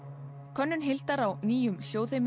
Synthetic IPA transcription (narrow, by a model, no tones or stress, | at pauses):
kʰœnːʏnɦɪlt̪aɾawniːjʏmsjoːwθem